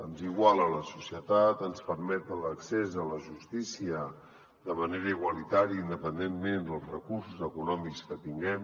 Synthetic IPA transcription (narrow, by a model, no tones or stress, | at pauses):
ənziɣwalˠələsusiət̪at̪ənspəɾmɛt̪ələksezələʒust̪isiə | d̪əməneɾəiɣwəlit̪aɾiəind̪əpənd̪emmend̪əlˠzrəkuɾsuzəkunɔmikskət̪iŋɡɛm